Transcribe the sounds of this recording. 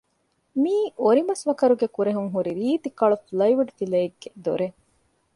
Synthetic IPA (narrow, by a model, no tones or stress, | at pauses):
miːʔoɾimɐsʋɐkɐɾuɡekuɾeɦuŋɦuɾiɾiːt̪ikɐɭufulɐjʋuɖfileːɡːed̪oɾe